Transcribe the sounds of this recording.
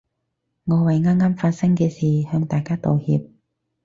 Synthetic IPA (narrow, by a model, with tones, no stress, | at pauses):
ŋɔː˨˧wɐ˨jŋaː˥ŋaː˥mfaː˧t̚sɐ˥ŋkɛː˧siː˨˩hœː˧ŋt̪aː˨jkaː˥t̪o˨whḭː˧p̚